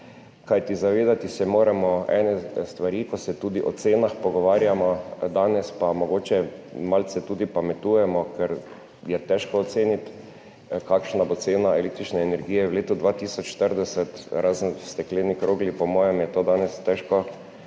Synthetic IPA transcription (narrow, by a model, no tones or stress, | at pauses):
kajt̪izaʋeːd̪at̪isɛmoːɾɛmɔɛ̰ːnɛst̪ʋaɾiːkɔsɛt̪uːd̪iʔɔ̰t̪seːnaxpɔɡɔʋaːɾjamɔd̪aːnɛspamɔɡoːt͡ʃɛmalsɛt̪uːd̪ipamɛt̪uːjɛmɔkɛɾ | jɛt̪ɛʃkɔːt̪seːnit̪ | kaːkʃnabot̪seːnaɛlek̚t̪ɾit͡ʃnɛːnɛɾɡiːjɛwleːt̪ud̪ʋat̪iːsɔt͡ʃʃt̪əɾd̪ɛsɛt̪ɾazst̪ɛklɛːnikɾoːɡlipɔmɔːjɛmjɛt̪oːd̪aːnɛst̪ɛʃkɔ